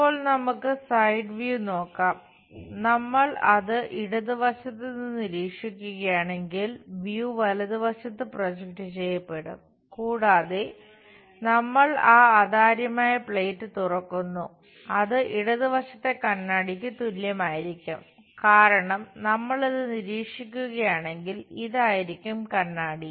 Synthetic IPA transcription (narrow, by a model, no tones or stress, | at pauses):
ppːo̞ːɭnɐmukːɨsɐjɖʋjuno̞ːkːaːm | nɐmːɐɭɐðɨʔiɽɐðɨʋɐɕɐt̪ːɨniɨnːiɾiːkʂikʲːuɣɐjaːɳe̞ŋɡilʋjuʋɐlɐðɨʋɐɕɐt̪ːɨprod͡ʑɐk̚ʈɨt͡ɕe̞jːɐpːe̞ɽṵm | kuːɽaːðe | nɐmːɐɭaːaːd̪aːɾjɐmaːjɐpɭeːtːɨt̪urɐkːunːu | ɐðɨʔiɽɐðiʋɐɕɐt̪ːe̞kɐnːaːɽik̬ʲːɨt̪uljɐmaːjiɾikʲːum | kaːɾɐɳɐmnɐmːɐɭɐðɨniɾiːkʂikʲːuɣɐjaːɳe̞ŋɡiliðaːjiɾikʲːumkɐnːaːɽi